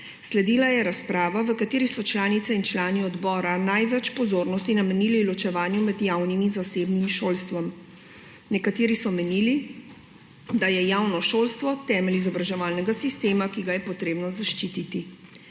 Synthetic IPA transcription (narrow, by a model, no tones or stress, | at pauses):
slɛd̪iːlajɛɾaspɾaːʋaʋəkat̪eːɾisɔt͡ʃlaːnit̪sɛint͡ʃlaːniɔd̪bɔːɾanajʋɛt͡ʃpɔzoːɾnɔst̪inamɛniːlilɔt͡ʃɛʋaːnjumɛd̪jawniminzaseːbnimʃoːlst̪ʋam | nɛkat̪eːɾisɔmɛniːli | d̪ajɛjawnɔʃolst̪ʋɔt̪ɛmɛlizɔbɾaʒɛʋaːlnɛɡasist̪eːmakiɡajɛpɔt̪ɾeːbnɔzaʃt͡ʃit̪it̪i